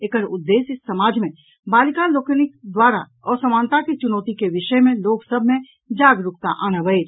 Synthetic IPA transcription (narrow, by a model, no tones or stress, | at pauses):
eːkəɾʊd̪ːeːsɪsːɐmaːd͡ʒmẽ | baːlkãloːkənɪkd̪waːɾa̰ | ɔːɾsɐmaːnt̪akit͡ʃʊnɔːt̪ikeʋɪʃəmẽloːɡsəbʱmẽ | d͡ʒaːɡɾʊkt̪a̰ʔaːnaʋəeː